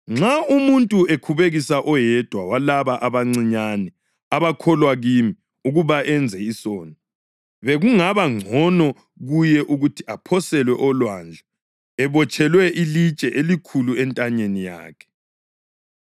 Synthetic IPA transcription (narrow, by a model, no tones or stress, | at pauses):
ŋ͡ǁaumuntʼuekʰuβeɣisaʔɔjɛd̥ʱwawalaβaʔaβaŋ͡ǀiɲanɛ | aβakʰɔlwaɣimi | uɣuβaʔɛnd͡zʱɛisɔːnɔ | βeɣuŋaβaŋ͡ǀʱɔnɔ | ɣujɛʔuɣutʰiʔapʰɔsɛlwɛʔɔlwand͡ɮʱa | ɛβɔt͡ʃʰʼɛlwɛʔilit͡ʃʼɛʔelikʰuluɛntʼaɲenija̰ːkʰɛ̥